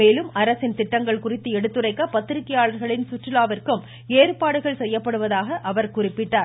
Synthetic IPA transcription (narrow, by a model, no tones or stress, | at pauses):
meːlɯmɐɾɐsɪnt̪ɪʈːɐŋɡɐɭkʊrɪt̪ːɯɛɽɯt̪ːɯrɐɪkːɐpɐt̪ːɪɾɪkːɪjaːɭɐɾɣɐɭɪnsʊʈrɪlaːʋɐrkɯm | eːrpaːɽɯɣɐɭsɛjːɐpːɐɽɯʋɐðaːɣɐʔɐʋɐɾkʊrɪpːɪʈːaːɾ